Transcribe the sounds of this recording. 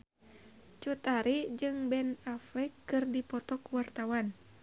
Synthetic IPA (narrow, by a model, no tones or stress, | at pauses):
t͡ʃut̪aɾid͡ʒɨŋbɛnaflɛkːɨrdipɔt̪ɔkuwart̪awan